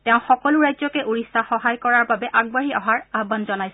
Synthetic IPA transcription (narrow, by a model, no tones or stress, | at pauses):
tɛʊ̃xɔkɔlʊɹajzɔkɛʔuɹisːaxɔɦajkɔɹaɹbabɛʔaɡ̚baɹiɔɦaɹaɦbanzɔnajsɛ